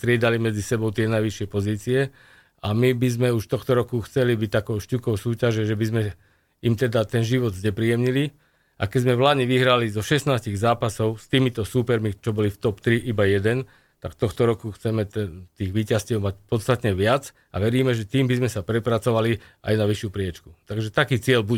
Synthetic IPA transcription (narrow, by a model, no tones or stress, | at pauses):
st̪ɾɪɛd̪alimɛd͡zisɛbɔʊt̪ɪɛnajʋiʃɪɛpɔziːt͡siɛ | amibizmɛuʃt̪ɔxt̪ɔɾɔkuxt͡sɛlibic̚t̪akɔʊʃcukɔʊsuːcaʒɛʒɛbizmɛ | imt̪ɛd̪at̪ɛnʒiʋɔd̪zɲɛpɾiɛmɲili | ʔa̰kɛzmɛʋlad̪ɲɛʋiɦɾalizɔʃɛsnaːsciɣzaːpasɔʊst̪iːmit̪ɔsuːpɛɾmit͡ʃɔbɔlift̪ɔpt̪ɾiʔibajɛd̪ɛn | t̪akt̪ɔxt̪ɔɾɔkuxt͡sɛmɛt̪ɛt̪iːɣʋiːcascɪɛʊmacpɔt̪st̪at̪ɲɛʋɪat͡s | ʔa̰ʋɛɾiːmɛʒɛt̪iːmbizmɛsapɾɛpɾat͡sɔʋaliʔa̰jnaʋiʃjupɾɪɛt͡ʃku̥t̪aɡʒɛt̪akiːt͡sɪɛlbu